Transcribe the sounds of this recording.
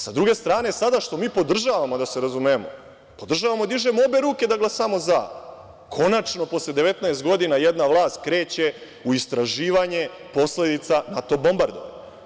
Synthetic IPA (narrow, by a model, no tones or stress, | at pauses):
sad̪ɾuɡe̞st̪ɾaːne̞sad̪aʃt̪o̞miːpo̞d̪r̩ʒaːʋamo̞d̪aseɾazumemo̞ | po̞d̪r̩ʒaʋamod̪iʒemoobe̞ɾuːke̞d̪aɡlˠasamo̞za | kʰo̞nat͡ʃno̞po̞sle̞d̪e̞ʋe̞t̪naest̪ɡo̞d̪inajed̪naʋlˠaːst̪̚kɾe̞ːt͡ɕe̞ | uist̪ɾaʒiːʋaɲe | po̞sle̞d̪it̪sanat̪o̞bo̞mbaɾd̪oʋa̰ɲ